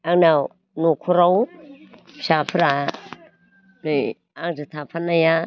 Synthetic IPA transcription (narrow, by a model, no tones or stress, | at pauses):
aŋna | nukʰuɾaw | ʃapʰɾa | ni | aŋd͡ʒit̪ʰapʰanaja